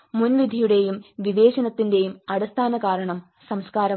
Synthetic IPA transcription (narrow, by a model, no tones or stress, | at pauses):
munʋid̪ʱijuɽe̞jumʋiʋe̞ːɕɐnɐt̪ːinde̞jumɐɽɐst̪ʰaːnɐkaːɾɐɳɐm | sɐmskaːɾɐ